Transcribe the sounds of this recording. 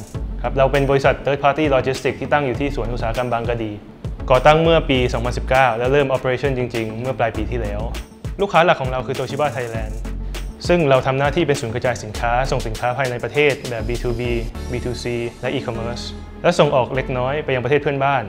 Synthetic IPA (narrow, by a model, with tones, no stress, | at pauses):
kʰɾa˦˥p̚ɾa˧wpe˧nbɔː˧ɾi˦˥sa˨˩t̪ʰːɤː˦˥t̪̚pʰaː˧˥t̪iː˥˩lɔː˧t͡ɕi˦˥st̪i˨˩k̚t̪ʰiː˥˩t̪a˥˩ŋjuː˨t̪ʰiː˥˩su˨˩˦ənʔu˨˩saː˨˦a˦˧ka˧mbaː˧ŋka˧diː˨˩ | kɔː˨˩t̪a˥˩ŋmɯ˥˩ɐpiː˧sɔː˩˦ŋpʰa˧nsi˨˩p̚kaː˥˩wlɛ˦˥wɾɤː˥˩mʔɔː˧˥pːe˧ɾeː˧˥t͡ɕʰɔ˥˩nt͡ɕi˧ŋt͡ɕi˧ŋmɯ˥˩ɐplaː˧jpiː˧t̪ʰiː˥˩lɛː˦˥w | luː˥˩kʰːaː˦˥la˨˩kʰːɔː˩˦ŋɾa˧wkʰɯː˧t̪o˧t͡ɕʰi˦˥˩baː˥˩t̪ʰa˧jlɛː˧nsɯ˥˩ŋɾa˧wt̪ʰa˧mnaː˥˩t̪ʰiː˥˩pe˧nsuː˩˦nkɾa˧t͡ɕaː˧jsi˩˦nkʰaː˦˥so˨˩ŋsi˨˩˦nkʰaː˦˥pʰaː˧jna˧jpɾa˧t̪ʰeː˥˩t̪̚bɛː˨˩p̚biː˧t̪ʰuː˧biː˧biː˧t̪ʰuː˧siː˧lɛ˦˥ʔiː˧kʰɔ˧mɤː˦˥˩s | lɛ˦˥wso˨˩ŋʔɔː˨˩k̚le˦˥k̚nɔː˦˥jpa˧jːa˨ŋpɾtʰeː˥˩t̚ʰənbaː˥˩n